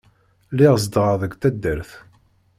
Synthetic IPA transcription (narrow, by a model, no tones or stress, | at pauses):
lɪʁzd̪ʁəðəɡt̪æd̪ːəɾθ